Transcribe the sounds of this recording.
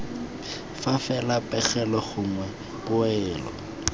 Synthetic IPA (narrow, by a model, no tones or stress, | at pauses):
fafɛlapʼɛɣɛlɔχʊŋwɛ | pʊɛːlɔ̰